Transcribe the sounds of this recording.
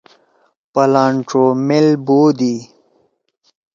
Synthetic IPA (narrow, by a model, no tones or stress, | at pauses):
pɐlaːɳʈ͡ʂomelboːd̪i